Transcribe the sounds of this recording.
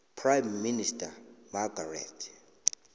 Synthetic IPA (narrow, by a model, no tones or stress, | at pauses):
pʰrajmːinistʰʼamaɡʱarɛ̰tʰ